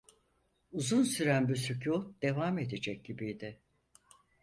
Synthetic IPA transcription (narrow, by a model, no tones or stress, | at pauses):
uzunsyɾænbysycʰud̪e̞vaːme̞d̪ed͡ʒɛc̚ɟibijd̪ɪ